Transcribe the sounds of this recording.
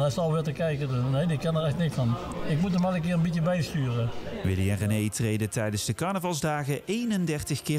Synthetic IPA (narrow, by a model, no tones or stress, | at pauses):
ɛjsɑlˠʋɪtəkɛjkədnːejdɪkɛnəɹɛxtnɪksfɑn | ɪkmutəmɛlək̬ɪːɹənbitjəbɛjstyːrəʋɪliɛnrənejtrejdətɛjdənzdəkɑɹnəvɑlˠzdaːɣəʔejnəndɛɹtəχkɪː